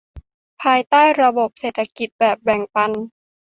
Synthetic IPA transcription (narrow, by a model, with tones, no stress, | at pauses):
pʰaː˧jt̪aː˥˩jɾa˧bo˨˩p̚seː˨˩t̪ʰːa˧ki˨˩t̪̚bɛː˨˩p̚bɛ˨˩ŋpa˧n